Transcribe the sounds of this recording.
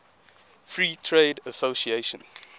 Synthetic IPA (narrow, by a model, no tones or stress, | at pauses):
fɹiːtʰɹeːdəsosieʃə̃n